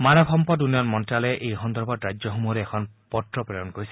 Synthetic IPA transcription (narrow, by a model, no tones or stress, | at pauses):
manɔbʰʱɔmpɔdunijɔnmɔnʈɾaleʔejɦɔnd̪ɔɾbʱɔdɾad͡ʒjɔɦumuɾeekʰɔnpɔtɾɔpɾejɔnkoɾisi̥